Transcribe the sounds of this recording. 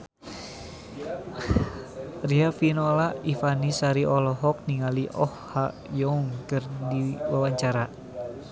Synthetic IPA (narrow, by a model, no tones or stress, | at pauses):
riafinɔlaifanisaɾiʔɔlɔɦɔk̚niŋaliʔɔ̰hhaʔjɔŋkərdiwawaɲt͡ʃaɾa